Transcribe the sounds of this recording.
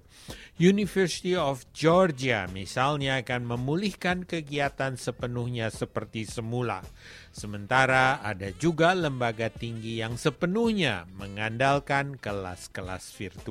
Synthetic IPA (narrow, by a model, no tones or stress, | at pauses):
junifərsi̥t̪iɔfd͡ʒɔrd͡ʒiamisalɲaːkanməmulihkankəɡiat̪ansəpənuhɲasəpərt̪isəmula̰ | səmənt̪aɾaadad͡ʒuɡaləmbaɡat̪iŋɡijaŋsəpənuhɲa̰məŋandalkankəla̰skəla̰sfirt̪u